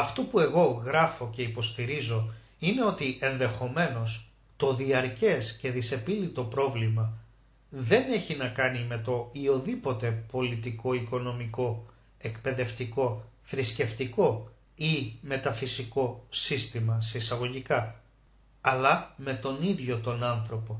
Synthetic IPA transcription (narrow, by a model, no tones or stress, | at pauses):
ɐft̪opue̞ɣo̞ɣɾɐfo̞ce̞ipo̞st̪iɾizo̞ | ine̞o̞t̪iʔe̞nðe̞xo̞me̞no̞s | t̪o̞ðiɐɾce̞sce̞ðise̞pilit̪o̞pɾo̞vlimɐ | ðe̞ne̞çinɐkɐnime̞t̪o̞io̞ðipo̞t̪e̞po̞lit̪iko̞iko̞no̞miko̞ | e̞kpe̞ðe̞ft̪iko̞θɾisce̞ft̪iko̞ | ime̞t̪ɐfisiko̞sist̪imɐse̞isɐɣo̞ʝikɐː | lɐme̞t̪o̞niðʝo̞t̪o̞nɐnθɾo̞po̞